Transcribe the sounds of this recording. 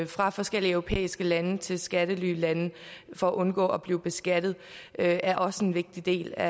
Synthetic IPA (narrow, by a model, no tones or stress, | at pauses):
fʁɑ̈fɒ̽sɡ̥el̰iəœʊʁo̝pʰḛːisɡ̥əlænət͡sʰe̝lsɡ̥æɾ̥əlyːlænəfɒɒʔɔ̽nɡ̥ɔ̰̽ːɒ̽b̥liːʊb̥e̝sɡ̥æd̥ð̩ˠøæɐʔɒ̽səenʋe̝ɡ̥̚d̥id̥e̝̰ːlæ